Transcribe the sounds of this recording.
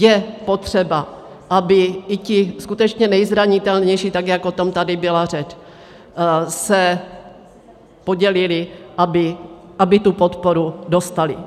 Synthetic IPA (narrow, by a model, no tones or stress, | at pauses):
jɛpot̪r̝̥ɛba | ʔabɪɪcɪskut̪ɛt͡ʃɲɛnɛjzɾaɲɪt̪ɛlɲɛjʃit̪aɡjakot̪omt̪adɪbɪlarɛt͡ʃ | sɛ | po̞ɟɛlɪlɪʔabɪʔabɪt̪upot̪poɾudo̞st̪alɪ